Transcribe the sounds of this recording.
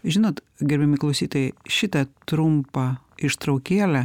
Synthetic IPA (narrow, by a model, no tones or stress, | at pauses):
ʒʲɪnoːt̪ | ɡʲɛɾʲbʲɛmʲɪklˠɐʊsʲiːt̪ɐʃʲɪt̪ɐt̪ɾʊmpɐ | ɪʃt̪ɾɐʊkʲeːlʲæ